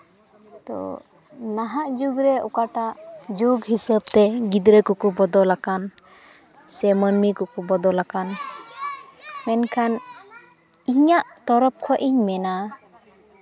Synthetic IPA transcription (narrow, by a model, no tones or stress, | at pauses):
t̪ɔ̰ | naɦaʔd͡ʒuɡɾɛṵkaʈaʔd͡ʒuɡɦisəb̚t̪ɛɡid̪ɾəkɔkɔbɔd̪ɔlakan | sɛmənmikɔkɔbɔd̪ɔlakan | mɛnkʰan | iɲaʔt̪ɔɾɔp̚kʰɔʔiɲmɛna